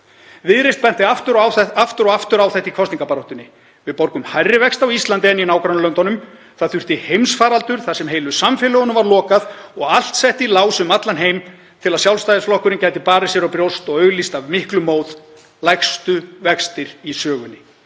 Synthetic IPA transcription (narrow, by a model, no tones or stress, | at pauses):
vɪðɾejst̪̚pɛn̥t̪ɪaft̪ʏɾwɛaft̪ʏɾɔɣaft̪ʏɾawθɛht̪ikʰɔst̪niŋkapaɾɔht̪ʏnːɪ | vɪðpoɾkʏmhajrːɪvɛkst̪awist̪lant̪ɪɛnːinaːwkɾawnlœnt̪ɔnʏm | θaðθʏr̥t̪ɪhejmsfaːɾalt̪ʏɾ̥θasɛmɦeːjlʏsamfɪlœɣʏnʏmvaɾlɔːkaðɔɣal̥t̪sɛht̪ilaːwsʏmat̪lanɦejm | t̪ʰɪlaðsjawlst̪ajðɪsflɔhkʏɾɪncaːjt̪ɪpaːɾɪsjɛɾawpɾjowst̪ɔɣœːɥɣlist̪avmɪhklʏmoːwð | lajkst̪ʏvɛkst̪ɪɾisœːɣʏnːɪ